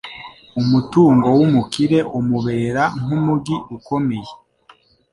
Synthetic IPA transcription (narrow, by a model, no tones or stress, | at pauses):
umutuːŋɡo̞wumukiɾe̞ʔomuβeːɾaŋumuɡiuko̞me̞je